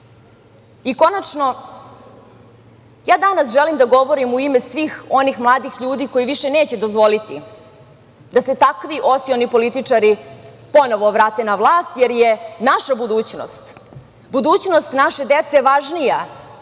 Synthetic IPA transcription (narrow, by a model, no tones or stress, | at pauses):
iko̞nat͡ʂno̞ | jaːd̪anasʒelimd̪aɡo̞ʋo̞ɾimuimesʋiːxo̞nixmlˠaːd̪ixʎuːd̪iko̞jiʋiʃeneːt͡ɕed̪ozʋo̞lit̪i | d̪ase̞t̪akʋiʔo̞sionipo̞lit̪it͡ʂaɾi | po̞noʋo̞ʋɾaːt̪e̞naʋlˠaːst̪jeɾjenaʃabud̪uːt͡ɕno̰st̪ | bud̪uːt͡ɕnost̪naʃe̞d̪et̪seʋaʒnija